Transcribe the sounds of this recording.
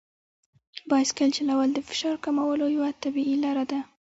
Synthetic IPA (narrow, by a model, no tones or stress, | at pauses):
bɑjskəlt͡ʃɪlawald̪əfɪ̥ʃɑɾkamawəlojawat̪abiilaɾad̪a